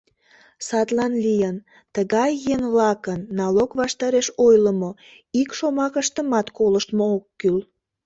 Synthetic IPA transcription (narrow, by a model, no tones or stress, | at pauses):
sɑt̪lɑnlijən | t̪əɣɑjːenβlɑkənːɑlokβɑʃt̪ɑɾeʃojləmo | ikʃomɑkəʃt̪əmɑt̪koləʃt̪mookːyl